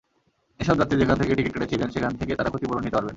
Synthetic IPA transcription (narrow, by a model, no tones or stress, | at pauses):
eʃɔb̚d͡ʑat̪ːid͡ʑekʰant̪ʰekeʈikiʈkeʈet͡ɕʰibenʃekʰant̪eket̪aɾakʰot̪ipoɾonit̪opaɾben